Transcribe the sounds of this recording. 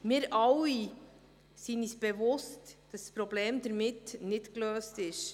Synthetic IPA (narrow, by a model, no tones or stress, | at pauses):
mɪːɾʔɑwi | sinisb̥evʊstd̥ɑspɾɔbleːmd̪əɾmɪtnɪdkløːstɪʃ